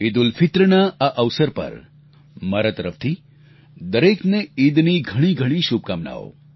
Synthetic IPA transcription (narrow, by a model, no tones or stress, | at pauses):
id̪ulfʰit̪ɾəɳaaʔɐʋsəɾpɐ̰ɾ | mɐɾat̪ɐɾəft̪ʰi | d̪əɾeːkneid̪niɡʱɐɽ̃iɡʱəɽ̃iʃub̚kaːmna̰ːo̰